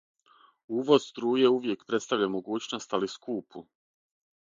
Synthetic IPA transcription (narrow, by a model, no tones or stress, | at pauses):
uːʋo̞zst̪ɾuːje̞uʋje̞kpɾe̞t̪st̪aʋʎamo̞ɡuːt͡ɕno̞st̪aliskuːpʰu